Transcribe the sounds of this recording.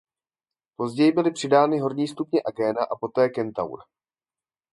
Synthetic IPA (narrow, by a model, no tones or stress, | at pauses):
po̞zɟɛjɪbɪlɪpr̥ɪdaːnɪɦo̞ɾɲiːst̪upɲɛʔaɡɛːnaʔapo̞t̪ɛːkɛnt̪a̰wɾa